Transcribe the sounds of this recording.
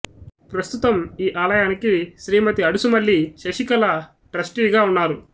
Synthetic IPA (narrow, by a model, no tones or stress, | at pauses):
pɾɐst̪ut̪ɐmiːʔaːlɐjaːnikiʃɾiːmɐt̪iɐɽusumɐɭːiʃɐʂikɐlɐ | ʈɾɐsʈiːɡaːunːaːɾu